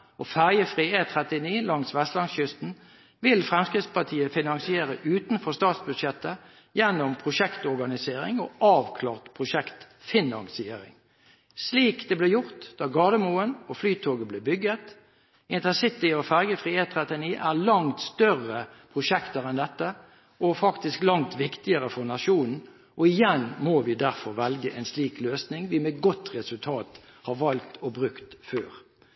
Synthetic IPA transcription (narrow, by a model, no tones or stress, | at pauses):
ɔfæʁjəfʁiːeːt̪ʰʁɛt̪ɪniːlɑŋt̪sʋɛst̪lɑnsɕʏst̪n̩ | ʋɪlfʁɛmskʁɪt̪spɑt̪ʰiːəfɪnɑŋsɪeːɾəʔʉːt̪n̩fɔʁst̪ɑːt̪sbʉd̪ʃɛt̪ːə | jɛnːʊmpʰʁʊʃɛkt̪ɔʁɡɑnɪseːɾɪ̰ŋɔɑːʋkʰlɑ̰ːʁt̪pʰʁʊʃɛkt̪ | fɪnɑ̰nsɪḛːʁɪ̰ŋ | sliːkd̪ɛːblɛːjʊʁt̪d̪̥ɑːɡɑːd̪əmuːənɔflyːt̪ʰoːɡəbleːbʏɡət̪ | ɪnt̪əsɪt̪ɪɔfæʁɡəfʁiːeːt̪ʰːʁɛt̪ɪniːʔæʁlɑŋt̪st̪œʁːəpʰʁʊʃɛkt̪əɾɛnd̪ɛt̪ːə | ʔɔfɑkt̪ɪsklɑŋt̪ʋɪkt̪ɪəʁəfɔʁnɑʃuːnn̩ | ʔɔɪjɛnmoʋɪd̪æʁfɔɾʋɛlɡəʔɛnsliːkløːsnɪŋʋɪmeɡɔt̪ʁɛsʉlt̪ʰɑːt̪hɑɾʋɑlt̪ɔbɾʉkt̪føːʁ